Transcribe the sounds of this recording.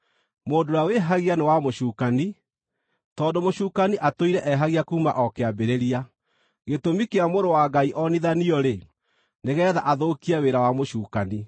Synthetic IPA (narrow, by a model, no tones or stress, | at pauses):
moːndojaweɦaɣianewamoʃuːkani | tɔːndomoʃuːkaniʔatoiɾɛʔɛɦaɣiakuːma̰ʔɔkeabeɾeɾia | ɣetomikeamoɾowaɡaiʔɔniðaniɔɾe | neɣɛːðaʔaðokiaweɾawamoɕuːkani